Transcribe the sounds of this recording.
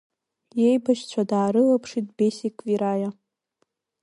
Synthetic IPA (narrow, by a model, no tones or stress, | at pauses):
jejbaʃt͡ɕʷʰadaːɾɨlapʰʂit̚ʼbesikʼviɾaja